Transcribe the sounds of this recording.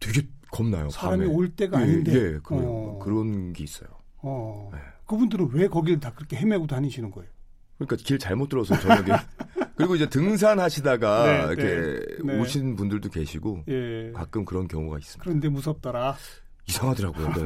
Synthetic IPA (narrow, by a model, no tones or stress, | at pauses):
tʰwe̞ɡe̞kʌmna̰jo̰sʰaaɾamioɭt͈e̞ɡaːɲindee̞kɯkɯɾʌnɡe̞is͈ʌ̰jo | ʌjekɯbundɯɾɯnwekʌɡitakɯɾʌkʰe̞ɦemeɡotaɲiɕʰinɯnɡʌejo | kɯɲik͈akiɭt͡ɕaɭmot͈ɯɾʌsʰʌt͡ɕʌneɡekɯɾiɡoid͡ʑe̞tɯŋs̬ʰanhaɕʰidaɡa̰kʰenoɕʰinpundɯɭdoke̞̰ɕʰiɡojekak͈ɯmkɯɾʌnkjʌ̰ŋuɡa̰is͈ɯmikɯɾʌnde̞mus̬ʰʌp̚t͈ʌɾa | isʰaŋɦadɯɾɦaɡojo̰e